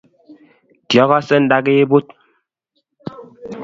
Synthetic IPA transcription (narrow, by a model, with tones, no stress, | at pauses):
djɔ˨˦ɣɔ˦sɛ˦n̩˦da˦ɡe˦e˦bo˦t̚